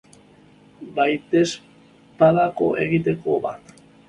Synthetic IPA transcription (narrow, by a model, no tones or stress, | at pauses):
bajt̪e̞s | paðako̞̰ʔe̞ɣit̪e̞ko̞βa̰t̪